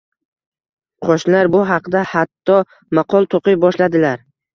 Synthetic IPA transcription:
qʰoʃnlaɾbʊɦɑqd̪ahat̪ʰːɒ | maqʰɒlˠt̪ʰoqɪjbɒʃlad̪ɪlaɾ

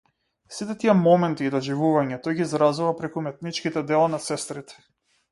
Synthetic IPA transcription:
sit̪ɛt̪iɛmɔmɛnt̪iːd̪ɔʒivuvaɲat̪ɔjɡiːzɾazuvapɾɛkumɛt̪̚nit͡ʃkit̪ɛd̪ɛlˠanasɛst̪ɾit̪ɛ̥

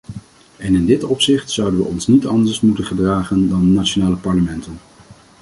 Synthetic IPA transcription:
ɛnɪndɪtɔpsɪχtsʌwdənʋə̰ʔɔnsnitɑndəɹsmutənχədraːχəndɑnːat͡ʃonaːləpɑɹləmɛntən

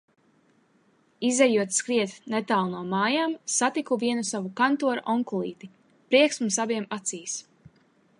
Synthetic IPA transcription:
izɛjuɔt̪skɾiɛt̪net̪aːlˠnuɔmaːjaːmsat̪ikuviɛnusavukant̪uɔɾuʔɔŋkulˠiːt̪i | pɾiɛksmusaviɛmat̪siːs

